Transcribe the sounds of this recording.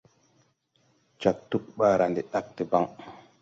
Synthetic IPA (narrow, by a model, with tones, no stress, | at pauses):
t͡ʃa˨k̚tu˦k̚ɓa˦˨ɾa˨ndi˨ɗa˦k̚ti˨ba˦ŋ